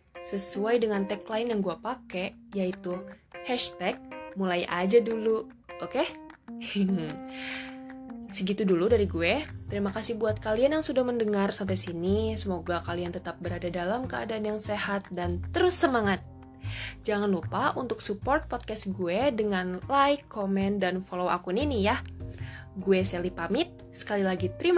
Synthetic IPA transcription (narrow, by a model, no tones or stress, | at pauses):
səsuajdəŋant̪ɛklaɪnjaŋɡuapakejait̪uhɛʃt̪ɛk̚mulajʔa̰d͡ʒadulu | ʔoke | səɡit̪uduludaɾiɡuet̪əɾimakasɪhbuat̪̚kalianjaŋsudahməndəŋarsampajsinisəmoɡakaliant̪ət̪ap̚bəɾadadalamkəʔa̰daːnjaŋsehat̪̚dant̪əɾʊsːəmaŋat̪̚ | d͡ʒaŋanlupaʔunt̪ʊk̚supɔrt̪̚pɔt̪̚kɛsɡuedəŋanlaɪkːomɛndanfoloa̰kuninija | ɡueselipamɪt̪̚ | sə̥kalilaɡit̪əɾim